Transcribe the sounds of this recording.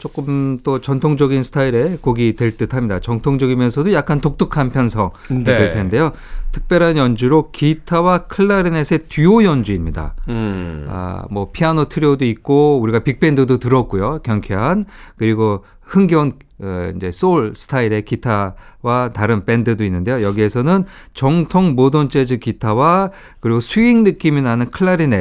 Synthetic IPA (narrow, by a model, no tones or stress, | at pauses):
t͡ɕ͈ok͈ɯmt͈ot͡ɕʌntʰoŋd͡ʑʌɡinsʰɯ̥tʰaiɾe̞koɡitwe̞ɭt͈ɯtʰamɲidat͡ɕʌŋtʰoŋd͡ʑʌɡimjʌnsʰʌdojak͈antok̚t͈ukʰanpʰjʌnsʰʌŋteɭtʰe̞nnde̞jo | tʰɯ̥k̚p͈jʌɾɦanjʌnd͡ʑuɾokitʰawakʰɯɭːaɾine̞sʰe̞tuojʌnd͡ʑuimɲida̰ | a̰mwʌpʰianotʰɯɾjodoit̚k͈ouɾiɡapik̚p͈e̞ndɯdotɯɾʌt̚k͈ujokjʌŋkʰeɦankɯɾiɡo | hɯŋɡʌn | ind͡ʑe̞s͈oɭsʰɯ̥tʰaiɾe̞kitʰawataɾɯnp͈e̞ndɯdoinːɯndejojʌɡie̞sʰʌnɯnt͡ɕʌŋtʰoŋmodont͡ɕ͈ed͡ʑɯkitʰawa | kɯɾiɡosʰuiŋnɯk͈iminanɯnkʰɯɭːaɾine